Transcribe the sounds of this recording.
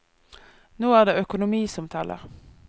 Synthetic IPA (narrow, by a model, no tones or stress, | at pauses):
noːæːʁd̪eːʔœkʊnʊmiːsɔmt̪ʰɛlʔə̰ʁ